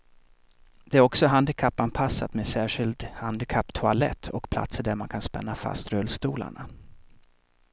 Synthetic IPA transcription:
d̪̥ɛæɾɔksɔɦand̪ɪkʰapːanpʰasːat̪meːsæːʂɪlt̪hand̪ɪkʰapːt̪ʰʊalɛ̰t̪ʰːɔkpʰla̰t̪səɖ̪æɾmankʰanspɛ̰nːafa̰st̪ɾœlst̪uːla̰ɳa

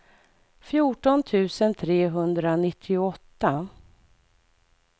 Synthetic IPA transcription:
fjuːʈɔnt̪ʰʉ̟ːsənt̪ʰɾeːɦɵnd̪ɾanɪt̪ʰːɪʊɔt̪ːa

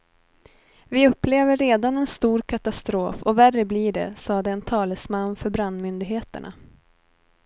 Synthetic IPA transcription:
vɪɵpːleːvəːeːd̪anɛnst̪uːɾkʰat̪ast̪ɾoːfɔværːəbliːɖɛ̰sɑːd̪ɛːnt̪ʰɑːləsmanːfœɾbɾand̪mʏnd̪ɪɡɦeːt̪ə̰ɳʔa̰

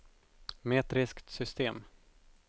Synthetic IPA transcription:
meːt̪ɾɪskt̪sʏst̪eːm

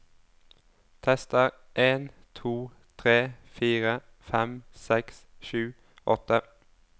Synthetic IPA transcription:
t̪ʰɛst̪əʁ | ʔeːn | t̪ʰuː | t̪ʰʁeːfiːʁə | fɛmsɛks | ʃʉː | ʔɔt̪ə

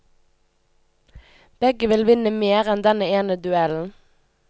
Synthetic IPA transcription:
b̥ɛɡəʋɪlʋɪnəmeːʁɛnd̪ɛnəeːnəd̪ʉɛln̩

